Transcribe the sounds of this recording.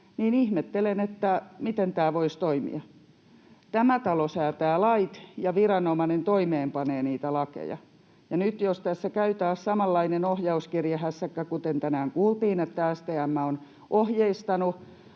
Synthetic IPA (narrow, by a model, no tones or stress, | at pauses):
niːnihmet̪ːelenet̪ːæmit̪ent̪æːʋoist̪oimḭɑ | t̪æmæt̪ɑlosæːt̪æːlɑit̪jɑʋirɑnomɑnent̪oimeːmpɑneːniːt̪ælɑkḛjɑ̰ | jɑnyt̪jost̪æsːækæyt̪æːssɑmɑlːɑinenohjɑuskirjɑhæsːækːækut̪ent̪ænæːŋkuːlt̪iːnet̪ːææst̪eæmːæon | ʔohjeist̪ɑnu